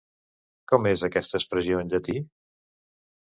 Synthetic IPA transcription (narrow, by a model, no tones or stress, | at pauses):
kɔmezəkɛst̪əspɾəziondət̪i